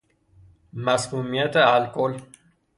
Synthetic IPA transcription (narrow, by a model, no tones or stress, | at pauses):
maskumjet̪əalkol